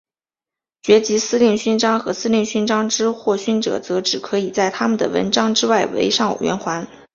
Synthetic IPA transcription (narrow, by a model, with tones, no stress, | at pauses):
t͡ɕɥɛ˧˥t͡ɕi˧˥sɹ̩˥li˥˩ŋɕy˥˧nʈ͡ʂɑ˥ŋxɤ˧˥sɹ̩˥li˥˩˧ŋɕy˥˧nʈ͡ʂɑ˥ŋʈ͡ʂɻ̩˥xwɔ˥˩ɕy˥˩nʈ͡ʂɤ̰˨˩t͡sɤ˧˥ʈ͡ʂɻ̩˨˩kʰɤ˧˥i˨˩t͡sa˥˩ɪt̪ʰa˥mə˨nd̪ə̰˩wə̰˧˥nʈ͡ʂɑ˥ŋʈ͡ʂɻ̩˥wa˥˩ɪwḛ˧˥ɪʂɑ˥˩ŋu˨˩ɥɛ̰˧˥nxwa˧˥n